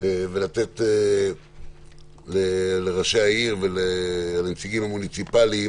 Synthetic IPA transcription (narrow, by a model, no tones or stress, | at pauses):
evelat̪e̞t̪e | leleʁaʃeaiʁvelealamet͡siɡimhamunit͡sipali